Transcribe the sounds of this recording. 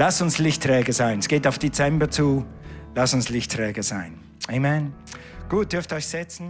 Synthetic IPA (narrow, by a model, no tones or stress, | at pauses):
lasʊnslɪçtʁ̥ɛːɡəzaɪnɛsɡ̥eːtaʊfd̥et͡sɛmbɐt͡suːlasʊnslɪçtʁɛːɡəz̥aɪn | ʔeɪmɛn | ɡ̥uːt̚d̥ʏɐftɔʏçz̥ɛt͡sn̩